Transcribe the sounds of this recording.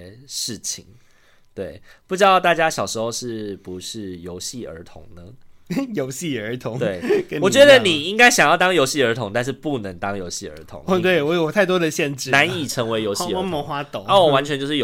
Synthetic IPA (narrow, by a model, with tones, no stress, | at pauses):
ʂɻ̩˥˩t͡ɕʰḭ˨˩˦ŋ | t̪we˥˩ɪpu˥˩ʈ͡ʂɻ̩˥d̪ɑ˥˧ʊt̪a˥˩t͡ɕja˥ɕjɑ˨˩ʊʂɻ̩˧˥xo˥˧ʊʂɻ̩˥˩pu˨˦ʂɻ̩˥˩jo˧˥ʊɕi˥˩ə̰˞˧˥t̪ʰʊ̰˧˥˦ŋnə˧jo˧˦ʊɕi˥˩ə˨˧˥t̪ʰʊ˨˦ŋt̪we˥˩ɪkə˦nwɔ˨˩t͡ɕɥɛ˧˦˥d̪ə˧˨ni˨˩i˦ŋka˥ɪɕɑ˨˩ŋjɑ˥˩ʊt̪ɑ˥ŋjo˧˥ʊɕi˥˩ə˞˧˥t̪ʰʊ˧˥ŋt̪a˥˧nʂ̬ɻ̩˥˧˩pu˥˩nə˧˦ŋt̪ɑ˥ŋjo˧˥ʊɕi˥˩ə̰˞˧˥t̪ʰʊ̰˧˦t̪we˥˩ɪwɔ˧˦jo˨˩ɔ˨˩t̪ʰa˥˩ɪt̪wɔ˥d̪ə˨ɕjɛ˥˧nʈ͡ʂɻ̩˥˧na˧˦ni˨˩ʈ͡ʂʰə˧˦˥ŋwe˧˥ɪjo˧˥ʊɕi˥˩ə˥mə˧˦xwa˥t̪o˨˦a˥˩wɔ˨˩wa˧˦nt͡ɕʰɥɛ˧˦t͡ɕo˥˧ʊʂɻ̩˥˩j